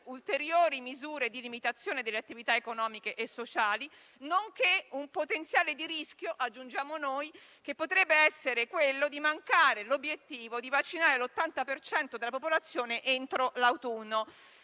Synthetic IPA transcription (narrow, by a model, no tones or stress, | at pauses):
ult̪eɾjoːɾimizuːɾed̪ilimit̪at̪sːjoːned̪elːeat̪ːivit̪aekonɔːmikeʔesːot͡ʃaːli | noŋkeumpot̪ent̪sjaːled̪iɾiskjoʔad͡ʒːund͡ʒaːmonojkepːot̪ɾɛbːeɛsːeɾekwelːod̪imaŋkaːɾelobjet̪ːiːvod̪ivat͡ʃːinaːɾelot̪ːant̪apert͡ʃɛnt̪od̪elːapopolat̪sːjoːneʔent̪ɾolawt̪unːo